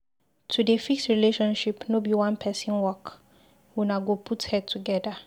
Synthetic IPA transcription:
tʰudefiksɹileʃɔ̃nʃipnobiwãnpʰɛsɔ̃nwɔk | wunaɡopʰuthɛd̚tʰuɡɛdə

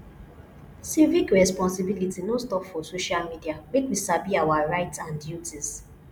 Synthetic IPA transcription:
sivikɹɛspɔ̃nsibilitinostɔpfɔsoʃalmidiamet̚misabiawaɹaɪtsãndjutis

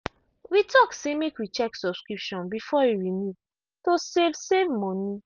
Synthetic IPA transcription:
witɔksemekwit͡ʃɛksɔb̥skɹipʃɔ̃nbifɔiɹimu | tosevsevmɔ̃ni

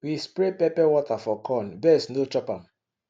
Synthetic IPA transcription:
wispɾepɛpɛwɔtafɔkʰɔ̃nbɛsnot͡ʃɔpãm

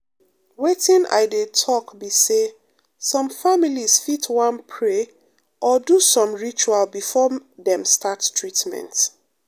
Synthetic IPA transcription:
wetĩna̰ɪdetʰɔkbise | sɔ̃mfamilisfitʰwãnpʰɹe | ʔɔdusɔ̃mɹit͡ʃualbifɔðɛ̃mstattʰɹitmɛ̰̃nt

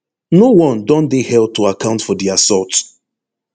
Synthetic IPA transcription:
nowɔ̃ndɔ̃ndehɛl̚tuakãʊ̃ntfɔdiasɔt

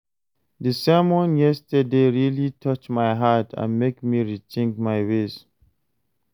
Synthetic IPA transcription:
dəsɛmɔ̃njɛstədeɹilitʰʌt͡ʃmaɪɦatʰã̰nmekmiɹit͡ʃĩŋkmajwez

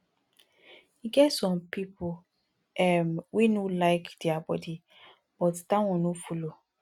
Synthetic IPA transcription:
iɡɛtsɔ̃mpipo | ɛmwinulaɪkdiabɔ̰di | b̥ɔtdãwɔ̃nufulo

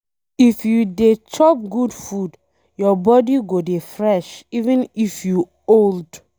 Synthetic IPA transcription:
ifjudet͡ʃɔp̚ɡudfud | jɔbɔdiɡodefɹɛʃivɛ̃nifju | old

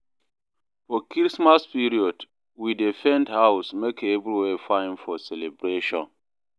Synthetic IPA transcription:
fɔkɹismaspiɾiɔd | widefɛ̃ndhaʊsmekevɾiwefãɪ̃nfɔsɛlebɾeʃɔ̰̃n

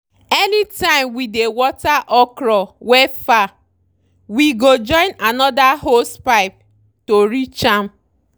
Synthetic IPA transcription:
enitãɪ̃mwidewɔtaʔɔkɾɔwɛfa | wiɡod͡ʒɔ̃ɪ̃nanɔdaɦospaɪp̚ | toɾit͡ʃam̩

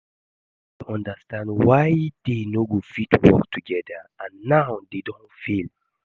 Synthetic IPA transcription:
ɔ̃ndəstãndwajd̥enoɡofitwɔ̰ktʰuɡɛdaãnːawdedɔ̃nfil

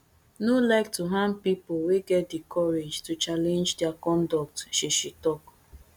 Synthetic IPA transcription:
nulaɪk̚tuɦãnpipoweɡɛt̚dikʰɔɾed͡ʒtut͡ʃalẽnd͡ʒdeakɔ̃ndɔk̚tʃiʃitɔk

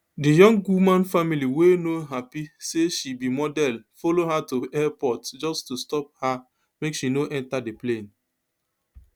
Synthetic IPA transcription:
dijɔ̃ŋɡwumãnfamiliwenoɦapiseʃibimɔdɛlfɔloɦatuɛpɔtd͡ʒɔstustɔp̚ha | mekʃinoʔɛ̃ntadeplẽn

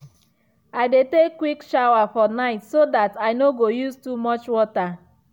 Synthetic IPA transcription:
aɪdetekːwikʃaʊwafɔnaɪtsodataɪnoɡojuztumɔt͡ʃwɔta

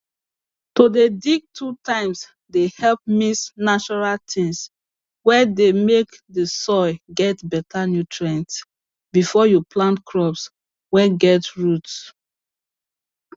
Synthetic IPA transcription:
todedik̚tʰutãɪ̃ms | dehɛlp̚misnat͡ʃɔɹaltʰĩŋs | wɛdemekdəsɔɪɡɛtbɛtʰanjutʰɹɛ̃nt | bifɔjuplãntkʰɹɔps | wɛɡɛtɹuts

